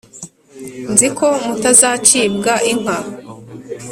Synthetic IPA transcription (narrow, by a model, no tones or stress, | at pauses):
nzikʰo̞mutazaːt͡ʃiːbɡaʔiŋ̥a